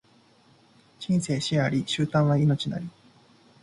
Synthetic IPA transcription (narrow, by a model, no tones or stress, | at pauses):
ɕĩɰ̃se̞ːɕiaɾʲiɕɨːt̪ãβaino̞t͡ɕina̰ɾʲi